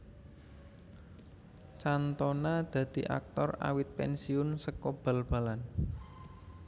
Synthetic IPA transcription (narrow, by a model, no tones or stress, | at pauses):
t͡ʃant̪ɔnad̪̥ä̤d̪̥i̤ʔa̰k̚t̪ɔra̰wɪt̪̚pɛ̰nsiʊnsəkob̥a̤lb̥a̤lan